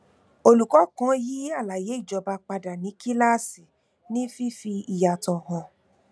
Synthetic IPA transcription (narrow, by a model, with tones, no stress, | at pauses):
o˧lu˨kɔ˨˦kã˨˦ji˦a˦˨la˨je˨˦i˦˨d͡ʒɔ˧ba˧k͡pa˧da˨nĩ˨˦ki˦la˦˨si˨ | nĩ˦fi˦fi˧i˨ja˨tɔ̃˨hɔ̃˧